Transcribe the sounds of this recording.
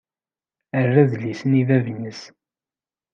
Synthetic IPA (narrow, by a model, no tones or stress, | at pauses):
ərːæðlːisənivævnəs